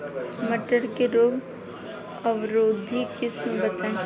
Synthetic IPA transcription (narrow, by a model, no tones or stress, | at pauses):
mɐʈəɾkeɾoːɡ | ɐʋɾoːd̪ʱikɪsnũbɐt̪aːẽ